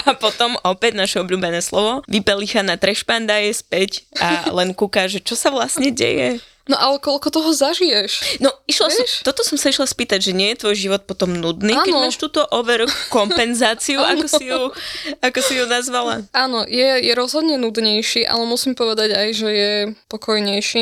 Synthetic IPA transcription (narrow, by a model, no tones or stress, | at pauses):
apɔt̪ɔmʔɔpɛɟnaʃɛɔbʎuːbɛnɛːslɔʋɔʋipɛlixanat̪ɾɛʃpand̪ajɛspɛca̰lɛnkukaʒɛt͡ʃɔsaʋlasɲɛɟɛ̰jɛ | nɔʔalɛkɔlkɔt̪ɔɦɔzaʒijɛʃnɔiʃlasɔt̪ɔt̪ɔsɔmsaiʃlaspiːt̪aɟʒɛɲɪɛjɛt̪ʋɔjʒiʋɔt̪̚pɔt̪ɔmnud̪niːnkɛmaːʃt̪uːt̪ɔʔɔʋɛɾkkɔmpɛnzaːt͡siuʔakɔsijuakɔsijunazʋala̰aːnɔjɛjɛɾɔzɦɔd̪ɲɛnud̪ɲɛjʃiʔa̰lɛmusimpɔʋɛd̪aɟajʒɛjɛpɔkɔjɲɛjʃi